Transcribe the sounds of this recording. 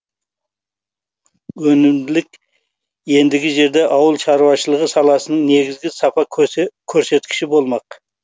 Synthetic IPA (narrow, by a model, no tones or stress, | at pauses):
wɵnɪmd̪ɪlɪkʲ | je̞nd̪ɪɡʲɪʒe̞ɾd̪e̞ʔɑwəlˠʃɑɾuwɑʃəlˠəʁəsɑlˠɑsənəɴne̞ɡʲɪzɡʲɪsɑpɑkʲʰɵɾse̞t̪kʲʰɪ̥ʃɪbo̞lˠmɑq